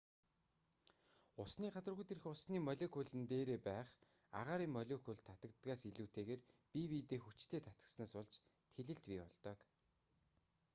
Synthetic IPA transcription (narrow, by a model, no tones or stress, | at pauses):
ʊsniːɢat͡sə̆rɣujt̪erɘ̆xʊsniːmœɮʲekʰʊɮɘ̆nt̪eːɾeːpæːχ | a̰ʁaːɾiːŋmːœɮʲekʰʊɮt̪ʰːat̪ə̆kt̪ɡaːsiɮuːt̪ʰeːɣeːrpiwiːt̪eːxut͡ɕt̪ʰeːt̪ʰḁt̪ə̆ksnaːsɔɮt͡ɕ | t̪ʰeɮɘ̆ɬt̪pʲiːɔɮt̪œːk